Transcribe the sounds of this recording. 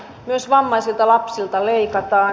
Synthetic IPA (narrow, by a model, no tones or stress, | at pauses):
myøsʋɑmːɑisilt̪ɑlɑpsilt̪ɑleikɑt̪ɑː